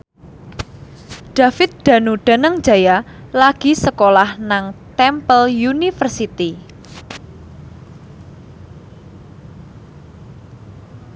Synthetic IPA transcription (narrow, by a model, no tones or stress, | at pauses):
ɖ̥ä̤fɪt̪̚d̪̥ä̤nuɖ̥a̤nəŋ̥d͡ʒ̥a̤ja | laɡ̥i̤səkolahnaŋt̪ɛmpəljunifərsit̪i